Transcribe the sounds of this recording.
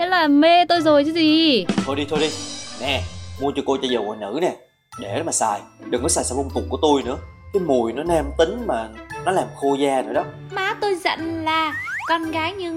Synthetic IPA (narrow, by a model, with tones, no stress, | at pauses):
te˨˦laː˨˩me˧t̪o˧jzo˨˩jt͡ɕɨ˨˦zi˨˩t̪ʰo˧jɗi˧t̪ʰo˧jɗi˧nɛ˨˩mu˧ət͡ɕɔ˧ko˧t͡ɕɔ˧zə˨˩wʔɔ̰˨˩nɨ̰˧˥nɛ˨˩ | ɗe˧˩˦maː˨˩saː˨˩j | ɗɨ˨˩ŋnɔ˨˦saː˨˩jsaː˧˦m˧ŋ͡mt̪ʊ˨˩ku˧˩ət̪o˧jnɨ̰˧˥ə | kaː˨˦jmu˨˩əjnɔ˨˦nɛ˧mt̪ï˨˦ŋ̟maː˨˩nɔ˨˦laː˨˩mxo˧zaː˧zo̰˨˩jɗɔ˨˦maː˨˦t̪o˧jzə̰˧˨nlaː˨˩kɔ˧nɣaː˨˦jɲɨ˧ŋ